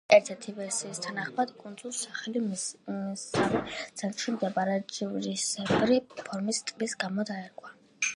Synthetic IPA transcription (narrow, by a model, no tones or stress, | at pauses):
ɛɾt̪ʰɛɾt̪ʰivɛɾsiːst̪ʰanaχmad̪kʼund̪zulˠsaχɛli | savit̪sʰɛnt̪χimd̪ɛbaɾɛd͡ʒivɾisɛbɾipʰɔɾmist̪ʼbisɡamɔd̪aɛɾkʼwa